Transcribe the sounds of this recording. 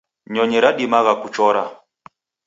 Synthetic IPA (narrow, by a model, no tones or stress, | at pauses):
ɲɔɲɛɾaɗimaɣakut͡ʃɔɾa